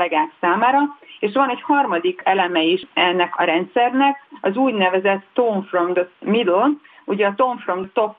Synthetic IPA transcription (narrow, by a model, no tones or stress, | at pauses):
ɛɡaːksaːmaːɾɒeːʃʋɒnɛchɒrmɒd̪ikɛlɛmɛiʃɛnːɛkɒɾɛnt̪sɛrnɛkɒzuːɟnɛvɛzɛt̪ːoɱfrond̪mid̪on | uɟɛːt̪o̞ɱfrond̪t̪o̞p